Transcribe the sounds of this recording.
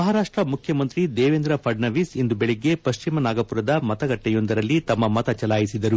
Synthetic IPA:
mɐɦaɾaːʂʈɾɐmukʰjɐmɐnt̪ɾid̪eːʋend̪ɾɐpʰɐɖnɐʋisend̪ubeɭeɡːe̞pɐʃt͡ʃimɐnaːɡɐpuɾɐd̪ɐmɐt̪ɐɡɐʈːɛjo̞nd̪ɐɾɐlːit̪ɐmːɐmɐt̪ɐt͡ʃɐlaːjisid̪ɐɾu

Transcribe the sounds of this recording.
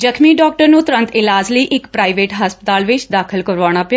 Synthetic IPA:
d͡ʒəkʰmiːɖɔːk̚ʈəɾnũːt̪ʊɾə̃nt̪ɪlaːd͡ʒləiːʔɪkpɾaːiʋeːʈɦaːspət̪aːlʋɪt͡ʃd̪aːkʰəlkəɾʋaːɽ̃aːpjaː

